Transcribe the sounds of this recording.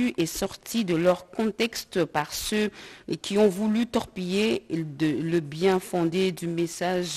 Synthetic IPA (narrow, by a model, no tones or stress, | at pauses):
yʔɛsɔʁt̪ʰid̪əlœʁkɔ̃t̪ɛkst̪paʁsøkʲiɔ̃vulyt̪ɔʁpijed̪ələbjɛ̃fɔ̃d̪ed̪ymesaʒ